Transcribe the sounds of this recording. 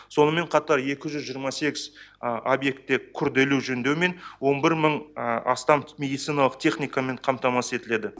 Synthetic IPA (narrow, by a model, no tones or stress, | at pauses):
so̞nəme̞ɴqʰɑt̪ɑɾje̞kʲɪʒʏzʒijːɾmɑse̞ɡʲɪzobje̞k̚t̪ːekʲʰʏɾd̪e̞luʒɵnd̪e̞wme̞nwo̞nbɪɾməɴɑ̰st̪ɑmmʲe̞d̪ijt̪sijnɑlˠəqt̪ʲʰe̞χnijkɑme̞ɴqʰɑmt̪ɑmɑse̞t̪ɪle̞d̪ɪ